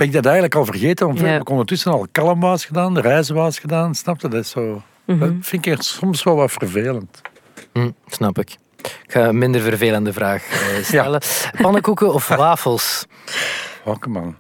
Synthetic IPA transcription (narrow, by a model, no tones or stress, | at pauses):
b̥ɛnɪɡ̚dɑtɛjɣən̩ləkɑlˠvərɣeːtəʋɑnttəkɔndərtʏsənɑlˠkɑlˠəmʋɑːsxədaːnrɛjzəʋaːsxədaːnsnɑp̚tədɑtɪsoː | fɪnkɪksɔmsʋɛlˠʋɑtfvərveːlənt | m̩snɑpɪk | ɪkxaːənmɪnd̪ərvərveːləndəvɾaːxəsaɛləpɑnəkukəɔfʋaːfəlˠs | hoːkəmɑ̰n